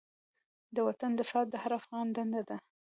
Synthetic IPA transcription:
d̪əwat̪and̪əsɑt̪̚d̪əhaɾafɣɑnd̪and̪ad̪a

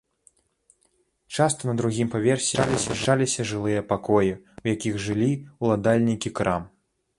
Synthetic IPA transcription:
t͡ʂast̪ɐnɐd̪ɾuɣʲimpavʲɛrsʲilʲisʲɐʂalʲisʲɐʐɨlˠɨjɐpakɔjiwjakʲiɣʐɨlʲiwlˠad̪alʲnʲikʲikɾam

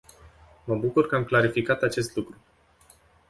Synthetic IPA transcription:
məbukurkəamklaɾifikat̪at͡ʃe̞st̪lukɾu

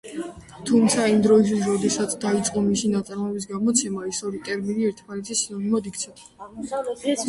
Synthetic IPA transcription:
t̪ʰumt̪sʰaimd̪ɾɔistwis̬ɾɔd̪ɛsat̪sʰd̪ait̪sʼqʼɔmisinat̪sʼaɾmɔbis̬ɡamɔt̪sʰɛmaɛsɔɾit̪ʼɛɾminiɛɾt̪ʰmanɛt̪ʰisinɔnimɔd̪ikt̪sʰɛp̪

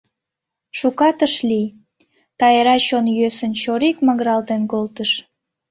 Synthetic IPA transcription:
ʃukɑt̪əʃlʲi | t̪ɑjeɾɑt͡ɕonjøsənt͡ɕoɾikməɣɾɑlt̪enkolt̪əʃ

